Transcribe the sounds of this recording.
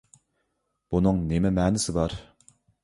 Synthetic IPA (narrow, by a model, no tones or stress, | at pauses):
b̥unɨŋnemɪmɛːnɪsɪbɑɾ